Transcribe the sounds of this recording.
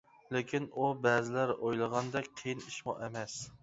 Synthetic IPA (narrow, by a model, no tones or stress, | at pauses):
lekʲʰinubæːzɪlæɾojlˠəʁɑnd̪ɛkʲqʰejiniʃmɑ̰ʔemɛs